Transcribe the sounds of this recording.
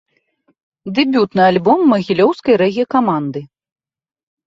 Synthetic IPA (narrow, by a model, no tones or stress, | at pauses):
d̪ɨbʲut̪nɨalʲbɔmːɐɣʲilʲɔwskɐjɾɛɣʲijɐkamand̪ɨ